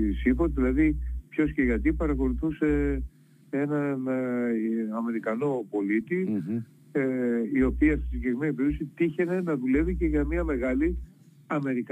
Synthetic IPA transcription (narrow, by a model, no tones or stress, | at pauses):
sifot̪ðilɐðipço̞sceʝɐt̪ipɐɾɐko̞luθuse̞ | e̞nɐn | ɐme̞ɾikɐno̞po̞lit̪i | io̞piɐsisiɡekɾimenipeɾosit̪içe̞ne̞nɐðule̞vice̞ʝɐmiɐme̞ɣɐli | ɐme̞ɾik